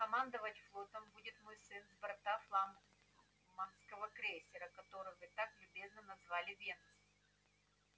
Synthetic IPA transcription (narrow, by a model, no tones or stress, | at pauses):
kɐmand̪əvətʲflˠo̞t̪əmbudʲɪt̪mojsɨnzbɾɐt̪aflˠam | manskəvəkɾʲesʲɪɾəkɐt̪o̞ɾɨvɨt̪aklʲʉbʲe̞znənɐzvalʲɪvʲensɨ